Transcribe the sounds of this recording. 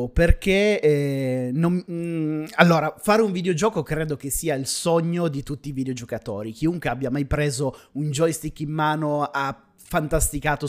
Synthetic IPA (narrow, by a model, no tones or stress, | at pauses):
perkeɛnom | alːoːɾafaːɾeuɱvid̪eod͡ʒɔːkokɾeːd̪ok̟esːiːailsoɲːod̪it̪ut̪ːiːvid̪eod͡ʒokat̪o̰ːɾik̟iuŋkweabːjamajpɾeːzound͡ʒɔjst̪ikːimːaːnoa | fant̪ast̪ikaːt̪o